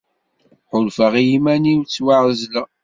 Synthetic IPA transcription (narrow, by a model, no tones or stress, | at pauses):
ħʊlfəʁijimæniwt͡sːwaʕzlə